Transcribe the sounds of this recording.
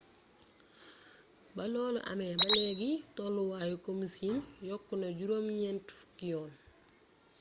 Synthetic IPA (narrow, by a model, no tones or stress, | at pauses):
bɐlɔl̰ʔɐ̰mɛbɐlɛɡitɔluwajukomisinjɔkːunoɟuɾomɲɛntfu̥kijɔːn